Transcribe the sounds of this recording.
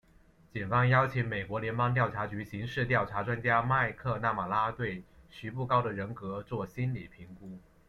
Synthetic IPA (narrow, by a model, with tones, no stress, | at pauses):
t͡ɕi˨˩nfɑ˥ŋjɑ˥ʊt͡ɕʰi˧˥ŋme˨˩ɪkwɔ˧˥ljɛ˧˥npɑ˥ŋt̪jɑ˥˩ʊʈ͡ʂʰa˧˥t͡ɕy˧˥ɕi˧˥ŋʂɻ̩˥˧t̪jɑ˥˩ʊʈ͡ʂʰa˧˥ʈ͡ʂwa˥nt͡ɕja˥ma˥˧ɪkʰɤ˥˧na˥˩ma˨˩la˥t̪we˥˩ɪɕy˧˥pu˥˩kɑ˥ʊd̪ə˨ɻə˧˥nkɤ˧˥t͡swɔ˥˩ɕi˥nli˨˩pʰi˧˥ŋku˥